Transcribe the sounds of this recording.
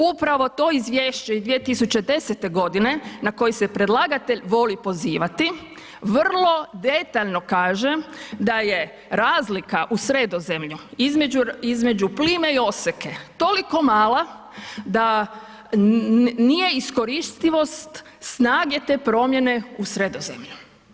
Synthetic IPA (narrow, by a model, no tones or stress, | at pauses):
upɾaʋo̞t̪o̞izʋjeːʃt͡ɕeid̪ʋijet̪isut͡ɕe̞d̪e̞set̪e̞ɡo̞d̪ine̞nako̞jise̞pɾe̞d̪lˠaɡat̪e̞ʎʋo̞lipo̞ziːʋat̪i | ʋr̩lˠo̞d̪e̞t̪aʎno̞kaːʒe̞d̪aje | ɾaːzlikaʔusɾe̞d̪o̞ze̞mʎuizmed͡ʒuizme̞d͡ʒupliːme̞io̞seke̞t̪o̞liko̞maːla | d̪a | nije̞isko̞ɾist̪iʋo̞st̪ | snaːɡe̞t̪e̞ːpɾo̞mje̞ne̞usɾe̞d̪o̞zḛmʎu